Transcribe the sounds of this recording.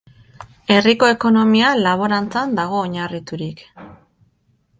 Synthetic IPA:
e̞riko̞e̞ko̞no̞mialaβ̞o̞ɾant͡sand̪aɣ̞o̞ːɲarit̪uɾik

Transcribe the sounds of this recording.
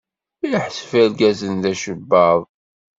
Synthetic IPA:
jħsfælɡæzənðæʃəbːɑðˤ

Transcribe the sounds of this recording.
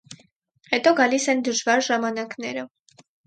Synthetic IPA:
hɛt̪ɔɡɑlisɛnd̪əʒvɑɾʒɑmɑnɑknɛɾə

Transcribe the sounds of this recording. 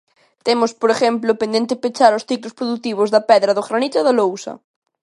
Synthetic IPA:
t̪emʊspoɾexɛmplʊpẽnd̪ẽnt̪ɪpet͡ʃaɾʊsθiklʊspɾoðut̪iβ̞ʊzðɐpɛðɾɐðʊɣɾanit̪aðalowsɐ̰

